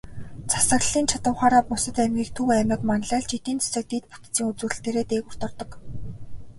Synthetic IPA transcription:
t͡sʰḁsə̆ɣɮiːnt͡ɕʰat̪ə̆wχaːɾaːpʊsə̆t̪æmɡʲiːk̚t̪ʰuwæmɪ̆kmanɮaːɮt͡ɕit̪iːnt͡sʰḁsə̆k̚t̪it̪̚pu̥t̪t͡siːŋut͡suːrɘ̆ɬt̪eːɾeːt̪eːkʊr̥t̪ɞ̆rt̪ɞ̆k

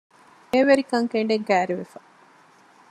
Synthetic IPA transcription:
eːʋeɾikɐŋkeɳɖeŋkæːɾeʋefɐ

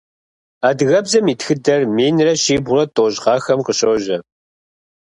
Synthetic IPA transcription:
aːdɨɣɐbzɐmiːtxɨdɐrmeːnrɐɕiːbʊrɐtʼoːʑʁɑːxɐmqəɕowʒɐ

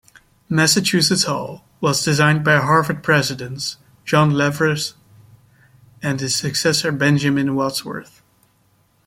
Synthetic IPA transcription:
mæsɨt͡ʃʰʉsɨtsɔ̰lˠ | wʌzdɨzãɪ̃nbaɪɦɑɹvə˞d̚pʰɹ̥ɛzɨdɨ̃ns | d̥ʒ̥ɑ̃nlɛvɹɨs | ɨ̃nɨz̥sɨksɛsə˞bɛ̃nd͡ʒɨmɨ̃nwɛtswə̰˞θ

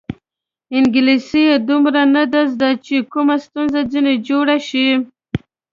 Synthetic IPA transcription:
ɪŋɡɪlisijed̪umɾanad̪azd̪at͡ʃekumast̪unzad͡zined͡ʒoɽaʃi

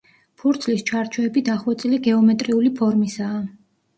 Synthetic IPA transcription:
pʰuɾt̪sʰlist͡ʃʰaɾt͡ʃʰɔɛbid̪aχwɛt̪sʼiliɡɛɔmɛt̪ʼɾiulipʰɔɾmisaː

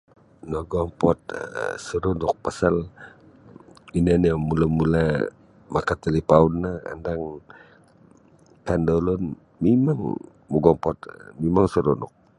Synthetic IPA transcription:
nɔɡɔmpɔt̪̚suɾɔnʊk̚pasal | inanamulamula | makat̪alipaunːaa̰ndaŋ | kandɔlɔn | mimaŋ | muɡɔmpɔt̪mimaŋsuɾunʊ̰k̚

